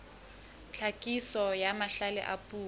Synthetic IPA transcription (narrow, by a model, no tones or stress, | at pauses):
t͡ɬʰakʼisɔjamaɬalɛ̰ʔa̰pʼuː